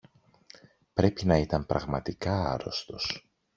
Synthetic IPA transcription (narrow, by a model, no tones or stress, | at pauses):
pɾe̞pinɐit̪ɐmpɾɐ̰ɣmɐt̪ikɐɐɾo̞̰st̪o̞s